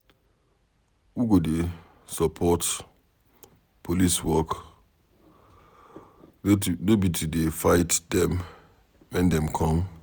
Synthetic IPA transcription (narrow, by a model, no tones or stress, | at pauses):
wuɡode | sɔpʰɔt | pʰoliswɔk | nobitʰudefaɪtdɛ̃m | wɛ̃ndɛ̃mkʰɔ̃m